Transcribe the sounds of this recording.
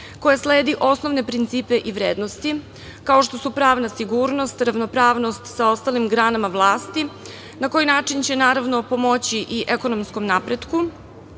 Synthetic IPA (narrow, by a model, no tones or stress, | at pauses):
ko̞jasleːd̪iʔo̞sno̞ʋne̞pɾint̪siːpe̞ʔiʋɾeːd̪nost̪i | kao̞ʃt̪o̞supɾaːʋnasiɡuːɾno̞st̪ɾavno̞pɾaːʋno̞st̪sao̞st̪alimɡɾaːnamaʋlˠaːst̪i | nako̞jinaːt͡ʂint͡ɕe̞naːɾaʋno̞po̞mo̞t͡ɕiʔiʔeko̞nomsko̞mnapɾed̪ku